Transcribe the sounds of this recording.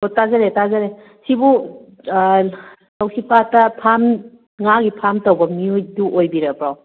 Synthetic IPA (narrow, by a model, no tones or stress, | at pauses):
otazaɾetazaɾe | sibu | lawsipatapʰam | ŋaɡipʰamtawbɐmiojduʔojbiɾapɾaw